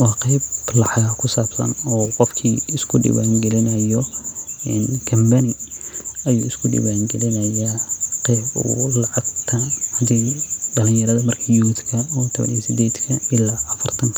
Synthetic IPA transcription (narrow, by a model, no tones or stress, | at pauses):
wɑːqejblɑħɑɣkʰʊsaːb̥sɐ̰nɔːqɔfkʰiːɪskʰʊɖɪ̰wa̰ːŋɡɛlɪnɐjɔɛnɡʰɐmbɐnɪ | ɐjṵːɪskʰʊɖɪ̰βaːŋɡɛlɪnɐjaqɛjbṵlɑʕɑɡt̪ʰɐhɐd̪ɛjɖɐlɪnjɐɾɐðɐmɐrkʰɐjut̪kʰɐɔːt̪ʰɔβɐ̰nḭɛsɪd̪ɛːd̪kʰɐɪlaːʔɐfɐrt̪ʰɐŋkʰɐ